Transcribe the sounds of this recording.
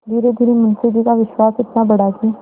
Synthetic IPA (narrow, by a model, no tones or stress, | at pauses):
d̪ʱiːɾed̪ʱiːɾemənsɪbikaʋɪʃwaːsɪt̪nabəɽaɡiː